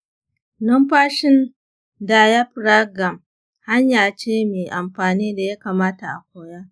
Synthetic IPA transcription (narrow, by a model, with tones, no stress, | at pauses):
nɔ˦mɸaː˦ʃɪ˦n | daː˨ja˦ɸɾa˦ɡɐ˨m | ha˦ɲjaː˨t͡ʃeː˦meː˨ʔa˨mɸaː˨niː˦da˨ja˦kaː˨maː˦ta˨ʔa̰˨kʷoː˦ja˦